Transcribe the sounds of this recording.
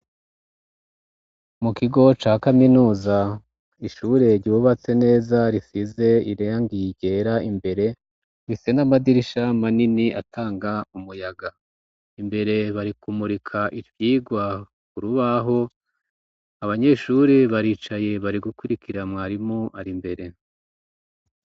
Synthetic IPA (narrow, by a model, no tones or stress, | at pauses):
mukiɡo̞t͡ʃaːkaminuːza | iʃuɾe̞ɾɟuβat͡se̞ne̞ːzaɾifize̞iɾeaŋɡijɟe̞ɾaimbe̞ɾe̞ | βisenamadiɾiʃamaniniʔa̰tʰaːŋɡaumujaɡa | imbe̞ɾe̞βaɾikumuɾikʰaʔiɾvjiːɡwa | kuɾuβaɦo̞ | aβaɲe̞ʃuːɾeβaɾiːt͡ʃaje̞βaɾiɡukwuɾikʰiɾamŋaɾimoʔaɾimbe̞ɾe̞